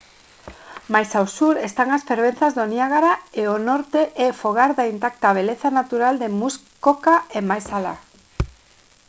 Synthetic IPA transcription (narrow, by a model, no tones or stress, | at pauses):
majsawsuɾest̪aŋasfeɾβ̞en̟θazðoniaɣaɾaeonoɾt̪eʔefoɣ̞aɾðaint̪ak̚t̪aβ̞eleθanat̪uɾald̪emuskokaemajsala̰